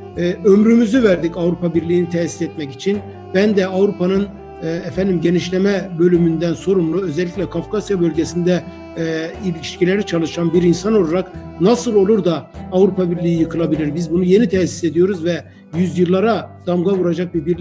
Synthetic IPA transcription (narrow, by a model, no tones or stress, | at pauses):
ɛømɾymyzyvæɾd̪icavɾupʰabiɾlʲijːnit̪ʰɛsi̥sɛt̪mɛcit͡ʃʰin | bænd̪ɛavɾupanɯnː | ɛfænd̪imɟe̞niʃlʲe̞mɛbø̞lʲymynd̪ænso̞ɾumlˠuø̞zɛlʲːicʲlʲɛkʰafkasjabø̞lʲɟesind̪ɛ | ilʲii̥ʃcilʲe̞ɾit͡ʃʰalˠɯʃanbiɾinsano̞lˠaɾak | nasɯlˠo̞lˠuɾd̪aːvɾupʰabiɾlʲijijɯkʰɯlˠabilʲiɾbizbunuje̞nit̪ʰɛsi̥se̞d̪ijo̞ɾuzvɛ | jyzjɯlˠːaɾad̪̥amɡavuɾad͡ʒak̚bibiɾlʲ